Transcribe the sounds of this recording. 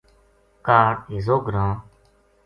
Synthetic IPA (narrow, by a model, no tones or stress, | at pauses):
kaːʈizoːɡɾãː